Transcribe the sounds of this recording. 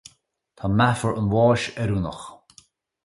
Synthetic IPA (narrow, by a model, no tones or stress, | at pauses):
t̪ʰɔmafəɹənwɔːʃɛɾunəx